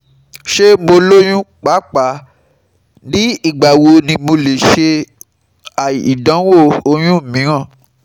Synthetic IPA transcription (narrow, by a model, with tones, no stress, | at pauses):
ʃe˦mo˧lo˦j̃ũ˦k͡pa˨˦k͡pa˨˦ | nĩ˨˦i˦˨ɡ͡ba˨wo˧nĩ˧mo˧le˨ʃe˧ | a˨i˨dã˨˦wo˦˨o˧j̃ũ˦˨mĩ˨˦ɾ̃ã˦˨